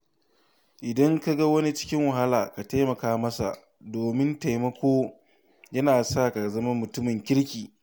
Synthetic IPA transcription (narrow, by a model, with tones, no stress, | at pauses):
ʔɪ˨dɐ˦ŋka˦ɡa˦wɐ˦ni˦t͡ʃɪ̥˦kʲɪ˦ŋwɐ˨ɦa˦laː˨ka˨ta˦mɐ˨kaː˦mɐ˦sa̰˨ | doː˨mɪ˦nta˨jmɐ˦kʷoː˦ | jɐ˦naː˨sa˦˨ka˨zɐ˦ma˦mʊ˨tʊ˦mɪ˨ŋkʲɪ˦ɽkʲiː˨